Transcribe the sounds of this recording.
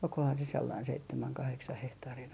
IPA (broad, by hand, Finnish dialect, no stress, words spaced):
olkohɑn se selːɑin seitːemæŋ kɑheksɑh hehtɑːrin